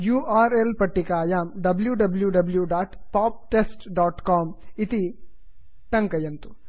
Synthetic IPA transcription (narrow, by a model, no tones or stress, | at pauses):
juːaːɾelpɐʈːikaːjaːmɖɐbljuɖɐbljuɖɐbljuɖaːʈpaːp̚ʈesʈɖaːʈkaːmit̪i | ʈɐŋkɐjɐnt̪u̥